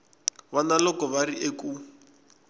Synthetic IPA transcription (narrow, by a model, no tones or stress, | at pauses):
βanalɔkɔβariʔeku